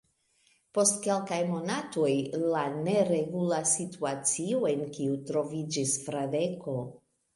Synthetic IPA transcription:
po̞stke̞lkajmo̞nato̞jlane̞ɾe̞ɡulasituat͡sioe̞nkiutɾo̞vid͡ʒisfɾadeko̞

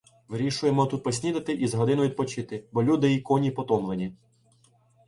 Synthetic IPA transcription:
ʋɪɾʲiʃʊjemɔt̪ut̪̚pɔsʲnʲid̪ɐt̪ɪʔizɦɔd̪ɪnʊʋid̪̚pɔt͡ʃɪt̪ɪbɔlʲud̪ɪikɔnʲipɔt̪ɔmlˠenʲi

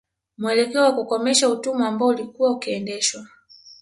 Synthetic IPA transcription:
muɛlɛkɛɔwakukɔmɛʃautumuambaɔulikuwaukiɛndɛʃwa

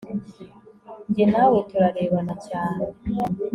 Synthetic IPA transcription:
ɲɟenawetuɾaɾeːβanacaːne

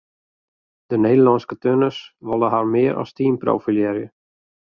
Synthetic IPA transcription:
d̥əneːdəlɔnskətønəsʋɔlˠəɦarmɪːəɾʔɔ̰stiːnpro̰wfiljɛɾjə

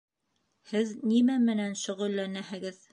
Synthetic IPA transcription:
hɘðnimæmɘ̆nænʃɵ̆ʁɵ̆lːænæhɘ̆ɡɘð

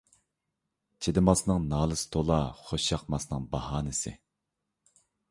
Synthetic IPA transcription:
t͡ʃʰed̪ɪmɑsnɨŋnɑːlˠɨst̪ʰolˠɑχoʃɑqmɑsnɨŋbɑhɑːnɪsɪ̰

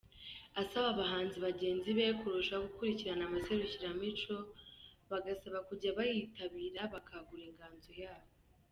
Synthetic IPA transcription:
asaβaβaɦaːnziβaɟe̞ːnziβe̞kuɾuʃaɡukuɾiciɾanamase̞ɾuciɾamit͡ʃo̞βaɡasaβakuɟaβajitaβiːɾaβakʰaɡuɾeŋɡaːnzojaːβo

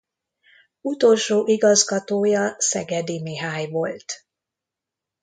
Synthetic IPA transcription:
ut̪o̞lʃoːʔiɡɒzɡɒt̪oːjɒsɛɡɛd̪imiɦaːjvo̞lt̪

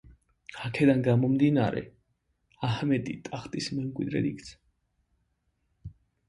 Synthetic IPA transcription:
akʰɛd̪anɡamɔmd̪inaɾɛ̰ | ahmɛt̪ʼit̪ʼaχt̪ʼismɛmkʼwḭd̪ɾɛ̰d̪ikt̪sʰḁ

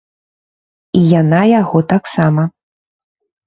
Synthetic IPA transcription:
ijanajaɣɔt̪aksamɐ

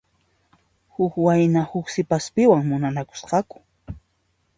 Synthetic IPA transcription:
hʊkwajnahʊksɪpaspɪwaŋmʊnanakʊ̥sqɑkʊ̥

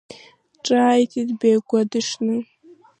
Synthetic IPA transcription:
ʈ͡ʂʼaːjtʰitbeːɡʷadɨʂnɨ

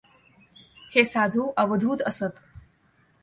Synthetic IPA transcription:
hesad̪ʱuʔəʋəd̪ʱuːt̪əsət̪

